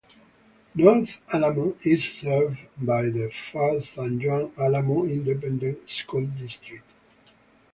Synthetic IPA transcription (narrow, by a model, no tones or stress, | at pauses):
nɔθalamoizsɛvbajðəfasãnd͡ʒɔ̃nalamoĩndɛp̬ɛ̃ndə̃ntskuldistɹik̚t